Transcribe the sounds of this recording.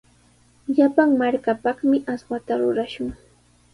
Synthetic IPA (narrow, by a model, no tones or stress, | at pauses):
ʎapaŋmaɾkapɑχmɪʔaswat̪aɾʊɾaʃʊŋ